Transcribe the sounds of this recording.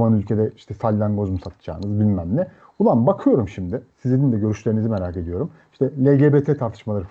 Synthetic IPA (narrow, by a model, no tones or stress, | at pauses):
manylʲcʰe̞d̪ɛiʃt̪ʰɛsalʲːaŋɡo̞zmusat̪ʰɯ̥d͡ʒa̰ːɯnɯzbilʲmæmlʲɛ | bulˠanbakʰɯjo̞ɾumʃimd̪ɪsizinind̪ɛɟø̞ɾyʃlʲeɾinizime̞ɾaːke̞d̪ijo̞ɾum | i̥ʃt̪ʰɛlʲeɟebet̪ʰɛt̪ʰaɾt̪ʰɯʃmalˠaɾɯ